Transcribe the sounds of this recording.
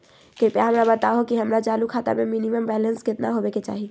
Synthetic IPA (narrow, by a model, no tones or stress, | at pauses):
kepjaɦəmɾabət̪aɦokiɦəmɾad͡ʒalukʰaːt̪a̰meminiməmbɛlənskɪt̪naɦobeket͡ʃa̰ːɦi